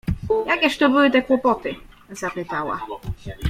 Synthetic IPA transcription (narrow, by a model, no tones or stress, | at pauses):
jakʲɛʂt̪ɔbɘwɘt̪ɛkwɔpɔt̪ɘ | zapɘt̪awa̰